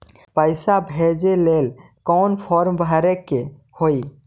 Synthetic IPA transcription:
pəjsabʱed͡ʒelel | kɔnpʰɔɾmbʱəɾɛkːe | hoi

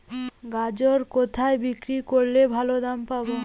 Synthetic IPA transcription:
ɡad͡ʑoɾkot̪ʰaebikɾikoɾlebʱalod̪ampabo

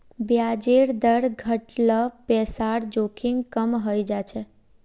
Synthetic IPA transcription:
bjad͡ʒeɾd̪əɾɡʱəʈləpɛsaɽd͡ʒokʰiŋɡkəmɦəjd͡ʒat͡ʃʰe

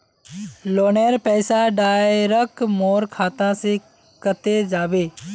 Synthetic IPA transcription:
loːneːɾpɛːsaɖaːjɾəkmoːɾkʰaːt̪ãse | kət̪ed͡ʒaːbeː

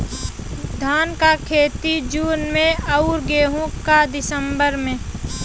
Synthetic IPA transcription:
d̪ʱaːnkakʰeːt̪id͡ʒuːnmẽəʊɾɡeːɦũkad̪ɪsəmbəɾmẽ

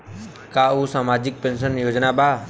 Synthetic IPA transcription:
kaːuɦsaːmaːd͡ʑɪk̚pẽnʃ̬ənjoːd͡ʒnabaː

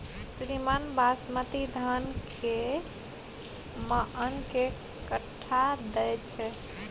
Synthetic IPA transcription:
sɾimənbʱasmət̪id̪ʱanke | məʔənke | kəʈʰːad̪ɛjt͡ʃʰɛ

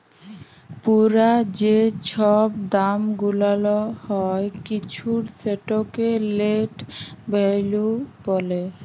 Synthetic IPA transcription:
puɾad͡ʑet͡ɕʰɔb̚d̪amɡulalohɔekit͡ɕʰuɾseʈokeleʈbʱejlupɔle

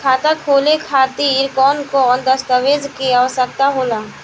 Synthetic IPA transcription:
kʰaːt̪akʰoːlekʰaːt̪iːɾkɔːnkoɔnd̪ɐst̪əʋeːd͡ʒkeaːəsək̚t̪aɦoːlaː

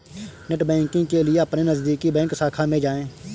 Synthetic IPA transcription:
nɪʈbɛ̃ːŋkɪ̃ŋɡkelɪeəpnenəzd̪iːkibɛ̃ːŋksaːkʰamẽd͡ʒaːẽː

